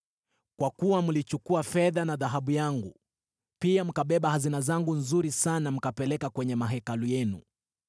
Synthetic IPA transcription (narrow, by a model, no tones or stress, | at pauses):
kwakuwamulit͡ʃukuafɛðanaðaɦaɓujaŋɡṵ | piam̩kaɓɛɓahazinazaŋɡunzuɾisanam̩kapɛlɛkakwɛɲɛmaɦɛkalujɛnṵ